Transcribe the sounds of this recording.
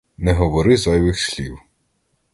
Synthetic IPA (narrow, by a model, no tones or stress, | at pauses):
nɛɦɔʋɔɾɪzɐjʋɪxsʲlʲiw